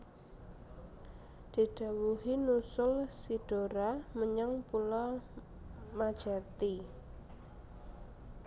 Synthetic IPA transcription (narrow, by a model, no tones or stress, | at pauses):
d̪̥i̤ɖ̥a̤wuɦinusʊlsid̥oɾaməɲaŋpulɔ | mad̥ʒ̥a̤t̪i